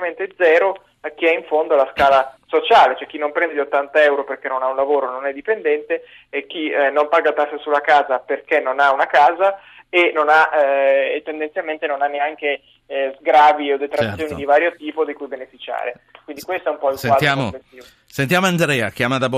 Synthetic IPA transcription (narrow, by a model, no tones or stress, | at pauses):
ikament̪ed̪zɛːɾo | ak̟ːiɛiɱfond̪olaskaːlasot͡ʃaːlet͡ʃoɛk̟ːinːompɾɛnd̪ed̪iot̪ːant̪aɛwɾoperk̟enːonaunlavoːɾononɛd̪ipend̪ɛnt̪eː | k̟ːinːompaɡat̪asːesulːakaːzaperkenːonaunakaːza | enːonaʔet̪ːend̪ent̪sjalment̪enonanːeaŋke | zɡɾaːviod̪ːet̪ɾat̪sːjoːnid̪ivaːɾjot̪iːpod̪ekujbenefit͡ʃa̰ːɾekwind̪ikwest̪oɛumpɔilsefat̪amoet̪ːiːvo | sent̪jamoand̪ɾɛakjamad̪ab